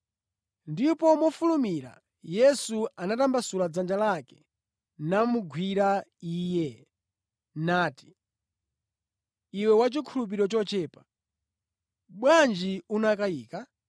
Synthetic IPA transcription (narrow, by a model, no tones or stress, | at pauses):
ndipɔmɔfulumiɾa̰ | jɛsuanatambasulad͡zand͡ʒalakɛ̥ | namuɡʱwiɾaiːjɛ | naːti̥ | iwɛwat͡ʃikʰulup̬iɾɔt͡ʃɔt͡ʃɛːpa | ɓwand͡ʒiunakaiːka